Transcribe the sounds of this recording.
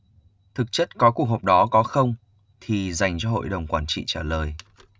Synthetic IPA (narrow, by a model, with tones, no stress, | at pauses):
t̪ʰɨ˨˩k̚t͡ɕə˦˥t̚kɔ˨˦ku˨˩ək̚ɦo˨˩k͡p̚ɗɔ˨˦kɔ˨˦xə˧wŋ͡m | t̪ʰi˨˩za˨˩jŋ̟t͡ɕɔ˧ɦo̰˧˨jɗə˨˩wŋ͡mkwaː˧˩nt͡ɕḭ˧˨t͡ɕaː˧˩ləː˨˩j